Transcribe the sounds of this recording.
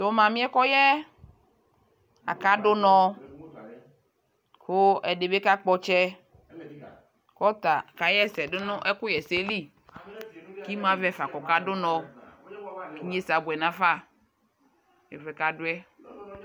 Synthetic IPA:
t̪o˨˦mã˨mĩ˦ɛ˦kɔ˦jɛ˦ | a̰˨ka˦dʊ˦nɔ̃˨ | kʊ˦ɛ˨ɖe˨be˦ka˦k͡pɔ˦t͡ʃɛ˦ | kɔ˦t̪a˨ka˨jɛ˦sɛ˨ɖʊ˦nʊ̃˦ʔɛ˦kʊ˦jɛ˨se˦li˦ | ki˦m˦ã˨vɛ˨˦˨fa˨kɔ˨ka˦dʊ˦nɔ̃˨ | ki˦ɲe˦sa˨bwɛ˨nã˦fa˦ | ɛ̰˨vɛ˨ka˨dʊ˦ɛ˦

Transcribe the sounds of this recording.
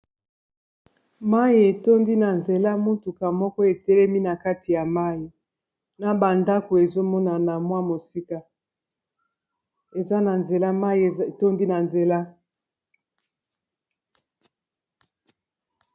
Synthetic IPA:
ma˦i˨e˨to˦ndi˦na˨nze˨la˦mu˦tu˨ka˨mɔ˦kɔ˦e˨tɛ˦lɛ˦mi˦na˨ka˦ti˨ja˨ma˦ji˨ | na˨ba˨nda˦ko˨e˨zo˦mɔ˦na˨na˨mwa˦mo˨si˦ka˦ | e˨za˦na˨nze˨la˦ma˦ji˨to˦ndi˦na˨nze˨la˦

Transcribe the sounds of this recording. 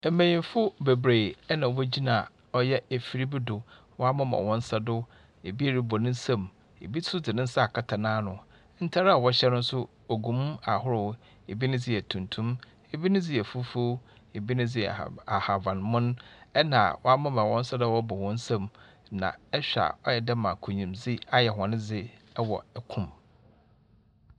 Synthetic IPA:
m̩˨˦mẽ˨ɲĩ˨m˦fʊ˦be˨bɾe˨ɛ˦nã˨wɛ˦d͡ʑi˦nã˨ | ɔ˦jɛ˦æ˨fi˨ɾi˦bɪ˦dʊ˨ | wɔ˦a˦mã˦ma̰˨wɔ̃˦n̩˦sa˦dʊ˦ | e˨bi˦e˦˨ɾi˦bɔ˨nɪ̃˦n̩˦sã˦˨m | ḛ˨bi˦tʰʊ˦d͡zɪ˨nɪ̃˦n̩˦sa˦a˨kʰa˦tʰa˨nãː˦nʊ̃˨ | n̩˦tʰa˦ɾa˦a˨wɔ˦ɕɛ˦nʊ̃˦sʊ˦ | o˨ɡũ˨m˦a̰˨hʊ˦ɾʊ˨ | e˨bi˦nɪ̃˦d͡zɪ˦ɛ˨tʰũ˨ntʰũ˦m | e˨bi˦nʊ̃˦d͡zɪ˦ɛ˨fu˦fo˦ | e˨bi˦nʊ̃˦d͡zɪ˦˨a˨ha˨vã˨nmʊ̃˦n˦ɛ˦nã˨wɔ˦a˦mã˦mã˨wɔ̃˦n̩˦sa˦dʊ˦a˨wɔ˦bɔ˨wɔ̃˦n̩˦sã˦m | nã̰˨ɛ˦ɕᶣa̰˨ɔ˦jɛ˨da˦mã˨kʰʊ˨ɲĩ˨md͡zi˦a˦jɛ˨ɦɔ̃˨nɪ̃˦d͡zɪ˦ | ɛ˦wɔ˨ɛ˦kʰʊ̃˨m

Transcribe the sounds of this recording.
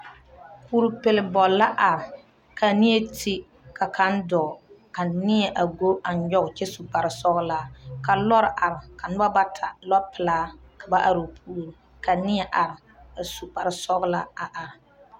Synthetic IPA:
kuː˦ɾu˨pɪ˨lɪ˦bɔ˨la˦ʔa˨ɾɪ˨ | ka˨nɪ˦e˦tʰi˦ | ka˨ka˦n˦dɔ˨ | a˨nɪ˦ɛ˨ʔa˨ɡo˦a˨ɲ˦ɲɔ˦ɣt͡ʃɛ˦su˨pa˨ɾɪ˨sɔ˦ɣlaː˦ka˨lɔ˦ɾʔa˨ɾɪ˨ka˨nɨ˦ba˦ba˦tʰa˨lɔ˦pɪ˨laː˦ | ka˨ba˦ʔa˨ɾo˨pʰuː˦lɾɨ˨ | ka˨nɪ˦ɛ˨ʔa˨ɾɪ˨ | a˨su˨pa˨ɾɪ˨sɔ˦ɣla˦a˨ʔa˨ɾɪ˨

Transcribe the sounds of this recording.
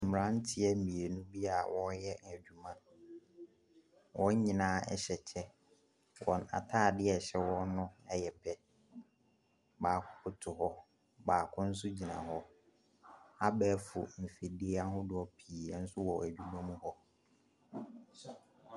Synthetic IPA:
m̩˨m˨ɾã˦n̩˦tʰɪ˨ɛ˦˨mĩ˨e˨nũ˦bi˦a˨wɔ˦jɛ˦æ˨d͡ʑᶣu˨mã˦ | wɔ̃˦ɲĩ˨nãː˦ɛ̰˦ɕɛ˨t͡ɕʰɛ˦ | wɔ˨na̰˨tʰaː˦˨dɪ˦ɛ˨ɕɛ˦wɔ˦nʊ̃˦ɛ˦jɛ˨pʰɛ˦ | baː˨kʰʊ˨˦kʰʊ˨tʰʊ˨hɔ˦ | baː˨kʰʊ̃˦n̩˦s̬ʊ˦d͡ʑi˨nã̰˨ɦɔ˦ | a˦bɛː˦fʊ˨m̩˨fi˨di˦a˦hʊ̃˦dʊ˨˦ɔ˦pʰiː˨a˦n̩˦sʊ˦wɔ˨æ˨d͡ʑᶣu˨mã˦mũ˦hɔ˦

